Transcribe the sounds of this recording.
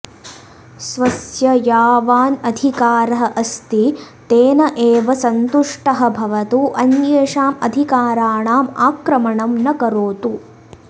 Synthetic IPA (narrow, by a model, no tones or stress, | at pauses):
sʋɐsjɐjaːʋaːnɐd̪ʱikaːɾɐɦɐʔɐst̪it̪eːnɐʔeːʋɐsɐnt̪uʂʈɐɦɐ̆bʱɐʋɐt̪uʔɐnjeːʂaːmɐ̰d̪ʱikaːɾaːɳaːma̰ːkɾɐmɐɳɐmnɐkɐɾoːt̪u